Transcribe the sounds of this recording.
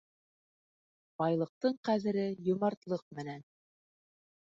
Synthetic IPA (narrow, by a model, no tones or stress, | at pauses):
b̥ɑjlˠɤ̆q̚t̪ɤɴqæðɘ̆ɾɘjŏmɑɾt̪lˠɤq̚mɘ̆næn